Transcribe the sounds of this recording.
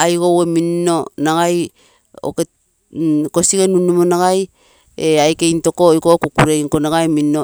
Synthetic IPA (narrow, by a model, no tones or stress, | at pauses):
ajkoweminːo̞naɡaj | o̰ke | ko̞siɡenunumonaɡaj | eajkejnto̞koikokukuɾeiŋkonaɡajmio